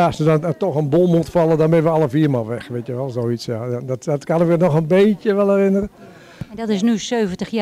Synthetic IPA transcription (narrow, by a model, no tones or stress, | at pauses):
sədɔntɔxənbolˠmutfɑlˠədɔnmɪnəʋəɑlˠəfiːəmalˠʋɛxʋeːtjəʋɛlˠsoːitsjadɔtɔtkanɪkənɔxənbeːtjəʋɛlˠɛrɪnərə | dɔtɪsnysøːvəntəx